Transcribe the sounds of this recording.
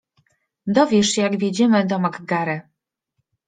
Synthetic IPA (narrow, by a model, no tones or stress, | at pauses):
d̪ɔvʲjɛʂjaɡvʲjed͡ʑɛmɘd̪ɔmaɡɡaɾɛ